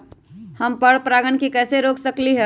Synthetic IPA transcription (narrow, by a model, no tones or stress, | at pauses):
həmpəɽpɾaɡənkikɛːseɾoːksəkliɦɛ